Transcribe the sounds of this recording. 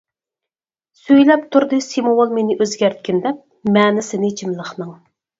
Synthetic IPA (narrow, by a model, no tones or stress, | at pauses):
søjlɛpt̪ʰuɾd̪ɨsimowolˠmenɪʔøzɡʲæɾt̪̚kʲind̪ɛp̚ | mɛːnɪsɪnɪt͡ʃʰimlˠəχnɨŋ